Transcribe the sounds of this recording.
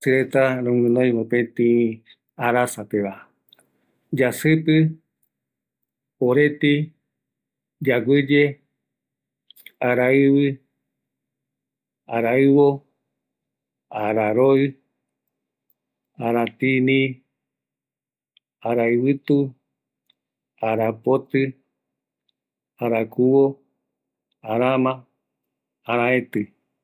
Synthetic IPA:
sɨɾet̪aɾõŋɨ̃nõĩmopẽt̪ĩ | aɾasapeβa | d͡ʒasɨpɨ | oɾet̪i | d͡ʒaɡʷɨd͡ʒe | aɾaɨβɨ | aɾaɨβo | aɾaɾoɨ | aɾat̪inĩ | aɾaɨβɨt̪u | aɾapot̪ɨ | aɾakuwo | aɾamãː | ɾãẽt̪ɨ

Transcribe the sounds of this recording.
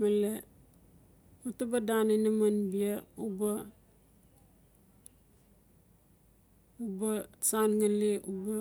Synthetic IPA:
male | utubadanenamanbiauba | ubasanŋaliʔuba

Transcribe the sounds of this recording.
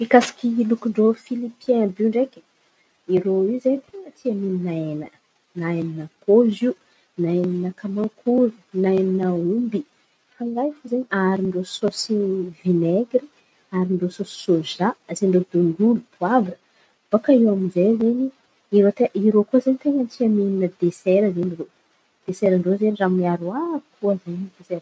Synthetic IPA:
ikasḁkʲilukuɳɖ͡ʐofilipiɛ̃buɳɖ͡ʐekʲə̥ | iɾoizeɲt̪enət̪ʰiamininaenə | naenanakoziu | naenanakamakʰuɾunaenanaumbi | faŋɡajfozeɲiaɾiɳɖ͡ʐososivineɡɾi | aɾinɖ͡ʐososi̥soʒazeɳɖ͡ʐod̪oɳɡulut̪uavə | b̥akaiwaminzejzeɲi | iɾot̪eʔiɾokozaɲit̪eɲant͡siamininəd̪esɛɾəzeniɾo | d̪̥esɛɾəɳɖ͡ʐozeniramiaɾuakʰuazaɲtuze

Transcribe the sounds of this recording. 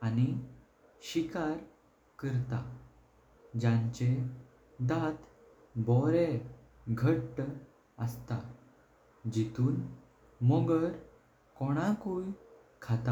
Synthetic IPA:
ani | ɕikaɾ | kəɾt̪a | d͡ʑãɲt͡ɕe | d̪at̪ | bɔɾe | ɡʱəʈː | əst̪a | d͡ʑit̪uːn | mɔɡəɾ | kɔɽ̃ãkuj | kʰat̪a

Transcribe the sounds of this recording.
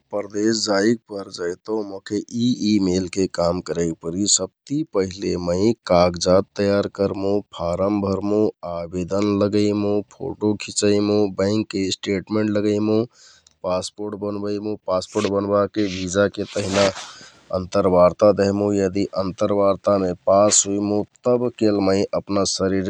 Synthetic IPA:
pɾd̪esd͡ʒaik̚pəɾd͡ʒajt̪omokʰeʔiimelkekamkəɾək̚pəɾisəb̚t̪ipəɦileməɪkaɡd͡ʒat̪ːəjaɾkəɾmũpʰaɾəmbʱəɾmũabed̪ənləɡəɪmũpʰo̰ʈokʰit͡ʃəɪmũbə̃ɪŋkːesʈeʈmẽɳʈləɡəɪmũ | paspoɾʈbənbəɪmũpaspoɾʈbənbakebʱid͡ʒaket̪əɦina | ənt̪əɾbaɾt̪ad̪ɛɦmũjəd̪iʔənt̪əɾbaɾt̪amepasɦoimũt̪əbkelməɪʔəpnasəɾiɾ

